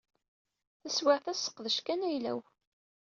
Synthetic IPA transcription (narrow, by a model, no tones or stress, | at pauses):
θæswɪʁθæsə̥qðəʃkænæjlæ̰w